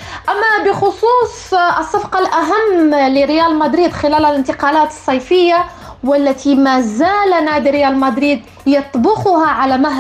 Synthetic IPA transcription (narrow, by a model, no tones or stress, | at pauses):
ʔamːabɪxʊsˤuːsˤ | əsˤːɑbqɑlʔæɦamːlɪɾɪjælmæd̪ɾiːd̪xɪlæːlælɪnt̪ɪqɑlæːt̪sˤːɑjfəjːa | wɪlːæt̪imæzæːlnæd̪iɾɪjælmæd̪ɾiːd̪ | jɑt̪ˤbʊxʊhaʕalæmaɦ